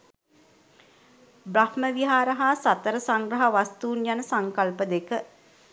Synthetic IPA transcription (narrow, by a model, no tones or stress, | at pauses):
bɾahməʋiɦaːɾəɦaːsat̪əɾəsaŋɡɾəɦaʋast̪uːnjanəsaŋkalpəd̪ekə